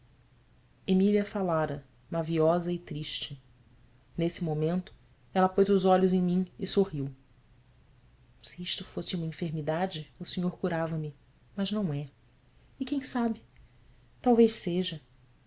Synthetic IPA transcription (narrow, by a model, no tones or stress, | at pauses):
emiliɐfalaɾɐ | maviɔzɐɪt̪ɾiʃt͡ʃɪ | nesɪmomẽnt̪ʊ̥ | ɛlɐpojzʊzɔʎʊzẽj̃mĩɪsohiw | siiʃt̪ʊfosɪũmɐĩfeɾmid̪ad͡ʒɪʊseɲoɾkuɾavɐmɪ | mɐznɐ̃w̃ɛ | ɪkẽj̃sabɪ | t̪awvejʃseʒɐ